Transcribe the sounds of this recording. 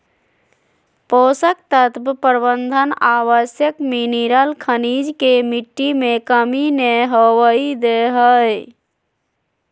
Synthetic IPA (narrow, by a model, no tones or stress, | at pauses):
posək̚t̪ət̪ppəɾbənd̪ʱənaʋəsjəkminiɾəlkʰənid͡ʒkemiʈːimekəmineɦəwəid̪eɦəj